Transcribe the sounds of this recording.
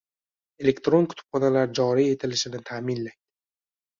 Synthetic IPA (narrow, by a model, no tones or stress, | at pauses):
elekt̪ɾonkʰʊ̥t̪ʰʊ̥b̥χɒnalaɾd͡ʒɒːɾijet̪ʰɪlɪʃɪd̪ɪnt̪ʰaːminlajd̪ɪ